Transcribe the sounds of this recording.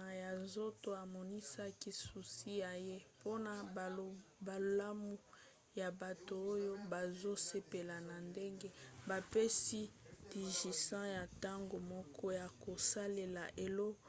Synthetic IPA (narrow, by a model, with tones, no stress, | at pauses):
a˨ja˨nzo˦to˨a˨mɔ˨ni˦sa˦ki˦su˨si˦ja˨je˦po˦na˨ | ba˨˦a˦mu˨ | ja˨ba˨to˨o˦jo˦ba˨zo˦se˦pe˨la˨na˨nde˦ŋɡe˦ba˨pe˦si˦ti˨ʒi˨sã˦ja˨ta˦ŋɡo˨mɔ˦kʰɔ˦ja˨ko˨sa˦le˨la̰˨ʔe˨lo˦